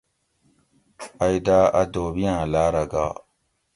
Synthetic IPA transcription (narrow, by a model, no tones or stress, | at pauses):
ajdaadoːbijãlaːɾaɡa̰